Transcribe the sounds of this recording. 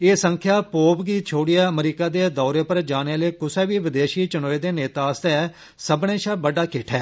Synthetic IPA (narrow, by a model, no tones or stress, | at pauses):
eːsəŋkʰjaːpoːbɡiːt͡ʃʰoːɽijaːəmɾiːkaːd̪eːd̪ɔːɾeːpəɾd͡ʒaːneləiːkʊsɛːʋiːʋɪd̪eːʃiːt͡ʃənoːeːd̪eːneːt̪aːəst̪eː | səbɽeːʃaːbəɖaːkɪʈʰɛː